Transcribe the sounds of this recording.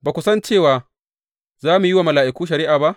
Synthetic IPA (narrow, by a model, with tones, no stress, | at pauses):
baː˨kʷʊ˨˦sɐ˦nt͡ʃeː˦˨waː˨ | zaː˦mu˨jɪ˦waː˨mɐ˨laː˨ʔɪ˨kʷuː˦ʃ̬ɐ˨ɾiː˦ʔaː˨ba˦ʔ